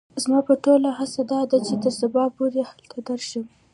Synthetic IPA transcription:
zmɑpəʈolahasad̪ɑd̪at͡ʃet̪əɾsabɑpuɾehalt̪ʰad̪əɾʃə

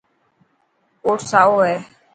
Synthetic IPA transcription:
oːʈsaːoːɦɛː

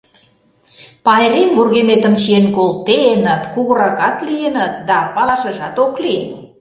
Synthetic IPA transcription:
pɑeɾemβurɣemet̪ə̆mʃienkolt̪enət̪kuɣəɾɑkɑt̪lienət̪̚d̪ɑpɑlɑʃə̆ʒɑt̪oklien

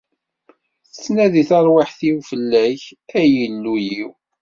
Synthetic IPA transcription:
θət͡sːnæðiθɑɾˤwaħθiwfəlːæçæjəlːujiw

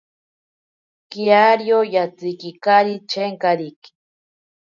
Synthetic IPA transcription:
kiaɾjojat͡sikikaɾit͡ʃeŋkaɾiki̥

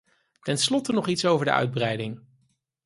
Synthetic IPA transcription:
tɛnslɔtənɔχitsowvəɹdə̰ʔœ̰ɥd̚brɛjdɪŋ

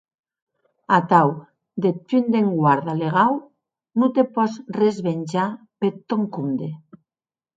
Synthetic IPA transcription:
at̪aw | d̪et̪ynd̪eŋɡwaɾðaleɣ̞aw | nut̪epɔsrezβenʲd͡ʒa | pet̪ːoŋkund̪e

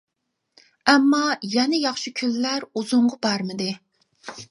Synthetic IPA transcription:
ɛmːɑjɛnɛjɑχʃikʲʰylːæɾuzʊɴʁɑbɑɾmɨd̪ɪ

